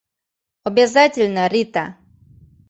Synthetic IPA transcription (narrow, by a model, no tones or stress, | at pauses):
ɔbʲɪzatʲɪlʲnəɾʲit̪a